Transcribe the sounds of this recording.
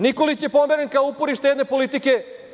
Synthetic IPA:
niko̞lit͡ɕjepo̞meɾenkaoupoɾiʃt̪jed̪ne̞po̞lit̪ike̞

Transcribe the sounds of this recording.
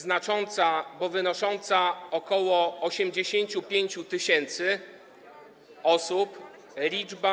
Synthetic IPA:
znat͡ʂɔnt̪sabɔvɘnɔʂɔnt̪saɔkɔwɔɔɕɛmd͡ʑeɕeɲt͡ɕupʲjeɲt͡ɕut̪ɘɕɛnt̪sɘ | ɔsup | lʲid͡ʐba

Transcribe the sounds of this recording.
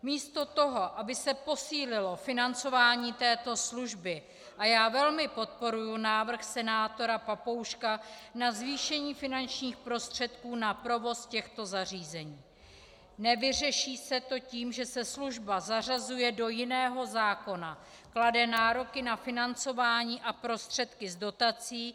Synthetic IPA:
miːst̪o̞t̪o̞ɦo̞ʔabɪsɛpo̞siːlɪlo̞fɪnant͡so̞vaːɲiːt̪ɛːt̪o̞sluʒbɪ | ʔajaːvɛlmɪpo̞t̪̚po̞ɾujunaːvr̩xsɛnaːt̪o̞ɾapapo̞wʃkanazviːʃɛɲiːfɪnant͡ʃɲiːxpɾo̞st̪r̝̥ɛt̪kuːnapɾo̞vo̞scɛxt̪o̞zar̝iːzɛɲiː | nɛvɪr̝ɛʃiːsɛt̪o̞ciːmʒɛsɛsluʒbazarazujɛdo̞jɪnɛːɦo̞zaːko̞na | kladɛnaːɾo̞kɪnafɪnant͡so̞vaːɲiːʔapɾo̞st̪r̝̥ɛt̪kɪzdo̞t̪at͡siː

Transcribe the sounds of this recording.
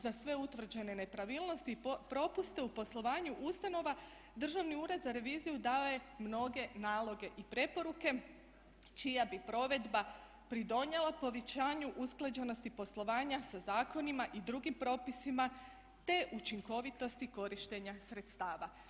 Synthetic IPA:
zasʋe̞ut̪ʋr̩d͡ʑe̞ne̞ne̞pɾaʋiːlˠno̞st̪ipɾo̞pust̪e̞upo̞slˠo̞ʋaːɲuʔust̪ano̞ʋa | d̪r̩ʒaʋniuːɾe̞d̪zaɾe̞ʋiːzijud̪aoje̞mno̞ɡe̞naːlˠo̞ɡe̞ʔipɾe̞po̞ɾuke̞ | t͡ʃijabipɾo̞ʋe̞d̪ba | pɾid̪o̞ɲelˠapo̞ʋet͡ɕaːɲuʔusklˠad͡ʑeno̞st̪ipo̞slˠo̞ʋaːɲasazaːko̞nimaʔid̪ɾuɡimpɾo̞ːpisima | t̪e̞ʔut͡ʃiŋko̞ʋit̪o̞st̪iko̞ɾiʃt̪e̞ɲasɾe̞t̪st̪aːʋa

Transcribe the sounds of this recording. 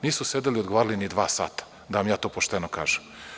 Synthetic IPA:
niːsused̪eliod̪ɡoʋaːɾalinid̪ʋaːsa̰ːt̪ḁ | d̪aʋamjaːt̪oːpoʃt̪enokaːʒem

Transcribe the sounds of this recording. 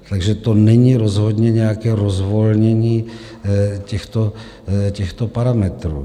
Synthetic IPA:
t̪aɡʒɛt̪o̞nɛɲiːɾozɦo̞d̪ɲɛɲɛjakɛːɾozvo̞lɲɛɲiː | cɛxt̪o | cɛxt̪o̞paɾamɛt̪ɾṵː

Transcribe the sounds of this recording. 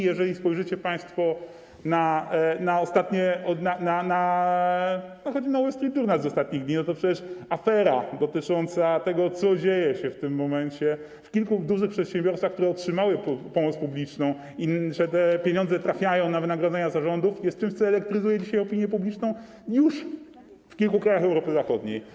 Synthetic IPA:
jɛʐɛlʲispɔjʐɘt͡ɕɛpãj̃st̪fɔ | nanaɔst̪at̪ɲɛɔnanana | nɔxɔd͡ʑinawɛst̪ɾʲid̪uɾnazɔst̪at̪̚ɲiɣɡd̪ɲinɔt̪ɔpʂɛt͡ɕɛʂafɛɾad̪ɔt̪ɘt͡ʂɔnt̪sat̪ɛɡɔt̪sɔd͡ʑejɛɕɛft̪ɘmːɔmɛɲt͡ɕɛ | fkʲilkud̪uʐɘxpʂɛt̪ɕɛ̃mbʲjɔɾst̪faxkt̪uɾɛɔtʂɘmawɘpɔmɔt̪spublʲit͡ʂnɔ̃w̃ | iʐɛt̪ɛpʲjeɲɔ̃nd̪zɛt̪ɾafʲjajɔ̃w̃navɘnaɡɾɔd̪zɛɲazaʐɔnd̪ufjɛst̪̚t͡ʂɘmɕt̪sɔɛlɛkt̪ɾɘzujɛd͡ʑiɕajɔpʲiɲjɛpublʲit͡ʂnɔ̃w̃ | juʂ | fkʲilkukɾajaxɛwɾɔpɘzaxɔd̪ɲḛj

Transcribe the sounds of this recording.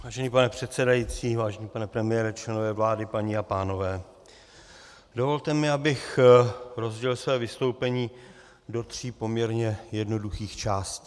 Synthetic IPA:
vaːʒɛniːpanɛpr̝̥ɛt̪sɛdajit͡siːvaːʒɛɲiːpanɛpɾɛmɪjɛɾɛt͡ʃlɛnovɛːvlaːdɪpaɲiːapaːno̞vɛː | do̞vo̞lt̪ɛmɪabɪx | ɾo̞zɟɛlsvɛːvɪst̪o̞wpɛɲiː | do̞t̪r̝̥iːpo̞mɲɛɾɲɛjɛdno̞duxiːxt͡ʃaːsciː

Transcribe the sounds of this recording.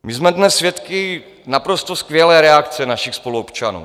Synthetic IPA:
mɪzmɛdnɛsːvjɛt̪kɪ | napɾost̪oskvjɛlɛːɾɛakt͡sɛnaʃɪxspo̞luopt͡ʃanṵː

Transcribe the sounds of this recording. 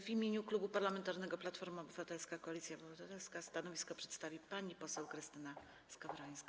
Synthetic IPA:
vimʲjeɲuklubupaɾlamɛnt̪aɾnɛɡɔplat̪fɔɾmɔbɘvat̪ɛlskakɔalʲit̪sʲjabɨvat̪at̪ɛlskast̪anɔvʲiskɔpʂɛ̥t̪st̪avʲipaɲipɔsɛwkɾɘst̪ɘna | skavɾɔj̃skʲi

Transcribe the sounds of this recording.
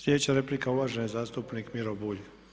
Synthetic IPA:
slʲjed̪et͡ɕaɾe̞plikauʋaːʒenazaːst̪upnikmiɾobuːʎ

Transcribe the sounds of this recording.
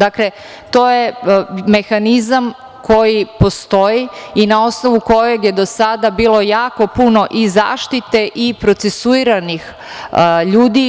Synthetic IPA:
d̪akle | t̪o̞ːje̞me̞xanizam | kʰo̞jipo̞st̪o̞iinao̞sno̞ʋuko̞je̞ɡje̞d̪o̞sad̪abiːlˠo̞jaːko̞puno̞ʔiza̰ːʃt̪it̪e̞ʔipɾo̞t̪sesuiɾanix | ʎuːd̪i

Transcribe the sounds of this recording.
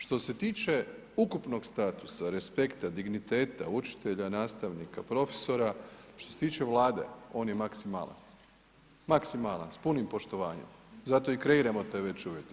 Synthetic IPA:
ʃt̪o̞se̞t̪iːt͡ʃe̞ | ukupno̞ɡst̪at̪u̥saɾe̞spe̞kt̪ad̪iɡnit̪e̞ːt̪aut͡ʃi̥t̪e̞ʎanaːst̪aʋnikapɾo̞fe̥so̞ɾaʃt̪o̞se̥t̪iːt͡ʃe̞ʋlˠaːd̪e̞̰o̞ːnjemaksima̰lˠa̰n | maksimalˠa̰nspunimpo̞ʃt̪o̞ʋaːɲe̞̰mzat̪oikɾe̞iɾamo̞t̪eʋe̞t͡ɕuʋjek

